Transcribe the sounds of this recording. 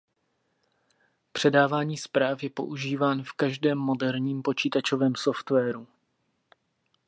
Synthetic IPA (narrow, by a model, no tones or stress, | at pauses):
pr̝̥ɛdaːvaːɲiːspɾaːfjɛpo̞̰ʔuʒiːvaːnfkaʒdɛːmːo̞dɛɾɲiːmpo̞t͡ʃiːt̪at͡ʃo̞vɛːmso̞ft̪vɛːɾu